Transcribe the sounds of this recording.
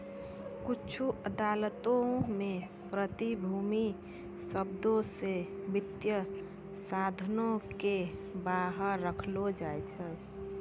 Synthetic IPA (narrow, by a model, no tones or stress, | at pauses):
kʊt͡ʃʰuʔəd̪aːlət̪õmẽ | pɾət̪ibʱuːmi | səbd̪õsebɪt̪jə | sad̪ʱnõkebaɦəɾːəkʰlod͡ʒaːɛt͡ʃʰɛ